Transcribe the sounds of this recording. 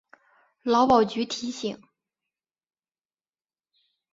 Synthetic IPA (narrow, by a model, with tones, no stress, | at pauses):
lɑ˧˥ʊpɑ˨˩ʊt͡ɕy˧˥t̪ʰi˧˥ɕi˨˩˦ŋ